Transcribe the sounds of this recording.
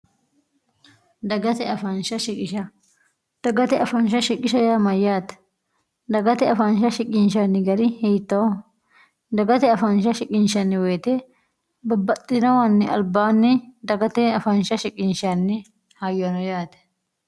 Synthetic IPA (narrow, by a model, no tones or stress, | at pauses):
d̪ɐɡɐt̪ɛɐfɐnʃɐʃɪkʼɪʃɐ | d̪̥ɐɡɐt̪ɛɐfɐnʃɐʃɪkʼːɪʃɐjaːmɐjaːt̪ɛ̥ | d̪ɐɡɐt̪ɛɐfɐnʃɐʃɪkʼːɪnʃanːɪɡɐɾɪhɛjt̪ːɐ | d̪ɐɡɐt̪ɛɐfɐnʃɐʃɪkʼːɪnʃɐnːɪweːt̪ɛ | bɐbːɐt̪ʼːɪnɐwɐnːɪʔɐ̰lbaːnːɪd̪ɐɡɐt̪ɛɐfɐnʃɐʃɪkʼːɪnʃanːɪ | hajɔnɔjaːt̪ɛ̥